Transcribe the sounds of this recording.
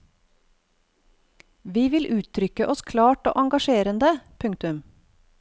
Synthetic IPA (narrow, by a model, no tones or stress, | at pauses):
ʋiːʋɪlʔʉːt̪ʰɾʏkəʔɔskʰlɑːʈo̰ːʔɑŋɡɑʃeːɾənd̪əpʰʉŋt̪ʉm